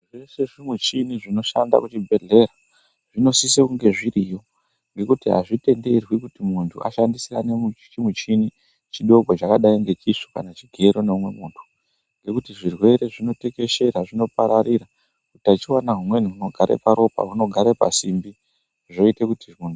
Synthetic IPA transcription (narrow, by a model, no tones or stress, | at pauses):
reseʐimwet͡ʃiniʐino̞ʃanda̰kut͡ʃibʱe̞ɮe̞ɾa | ʐ̥ino̞sisekuŋɡe̞ʐiɾijo̞ | ŋɡe̞kutiɦa̰ʐite̞nde̞rwikutimuntʰṵa̰ʃandisiranemut͡ʃimwet͡ʃini | t͡ʃiɗo̞ɡʱot͡ʃakaɗaiŋɡe̞t͡ʃiʂo̥ka̰nat͡ʃiɡʱe̞ɾoneumwe̞muːntʰu̥ | ŋɡe̞kutiʐirwe̞ɾe̞ʐino̞te̞ke̞ʃe̞ɾaʐino̞paɾaɾira | kutiat͡ʃiwanaɦumwe̞n̤iɦuno̞ɡʱaɾḛpaɾo̞pa̰ɦuno̞ɡʱaɾepa̰simbi | ʐo̞itekutiunu